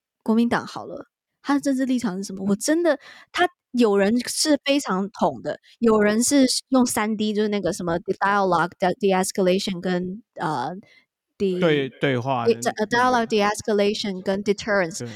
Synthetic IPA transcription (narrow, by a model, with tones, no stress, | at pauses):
kwɔ˧˥mi˧˥nt̪ɑ̰˨˩ŋxɑ˨˩ʊlə̰˦ | t̪ʰa˥˨ʈ͡ʂə˥nʈ͡ʂɻ̩˥˧li˥˩ʈ͡ʂʰɑ˨˩ŋʂ̩˥˩ʂə˧˥mə˧wɔ˨˩ʈ͡ʂə˥nd̪ə˨t̪ʰa˥ | jo˨˩ʊɻə˧˥nʂɻ̩˥˩fe˥ɪʈ͡ʂʰɑ˧˥ŋt̪ʰʊ˨˩ŋd̪ə˦ | jo˨˩ʊɻə˧˥nʂɻ̩˥˧jʊ˥˩ŋsa˥nt̪i˥t͡ɕjʂ̩˥˧na˥˩ɡə˩ʂə˧˥nmə˧d̪i˧d̪a˧˥ə˧lɑ˨ɡd̪d̪i˧˩æ˧skə˧le˥ɪʂə˨˩nkə˥nə˧˩ | d̪̥i˧˩we˥˧ɪt̪we˥˧ɪxwa˥˧˥d̪a˧˥ɪə˧lɑ˨˩ɡ̚d̪i˧æ˧˥skə˧le˥ɪʂə˨˩nkə˥nd̪i˧t̪ʰə˥ə˨ns